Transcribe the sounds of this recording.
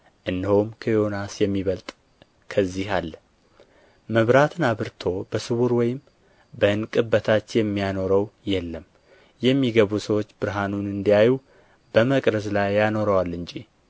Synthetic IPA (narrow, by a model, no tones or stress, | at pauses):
ʔɨnːhowmkʰəjo̞nasjɛmːiβəlt̪ʼ | kʰəzːihalː | məβɾat̪ʰɨnaβɨɾt̪ʰo̞bəsɨβuɾwɔjɪm | bəɨnkʼɨbːət̪ʰat͡ʃːjɛmːijano̞ɾəwjɛlːəm | jɛmːiɡəβusəwot͡ʃːbɨɾɦanunɨnd̪ijaju | bəməkʼɾəzlajːano̞ɾəwalːɨnd͡ʒʼi